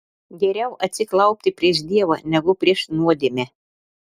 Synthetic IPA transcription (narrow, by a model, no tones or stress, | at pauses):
ɡʲɛɾʲɛʊʔɐt̪ʲsʲɪklˠɐʊpʲt̪ʲɪpʲɾʲiɛʃd̪ʲiɛʋɐnʲɛɡʊpʲɾʲiɛʃnuɔd̪ʲemʲɛ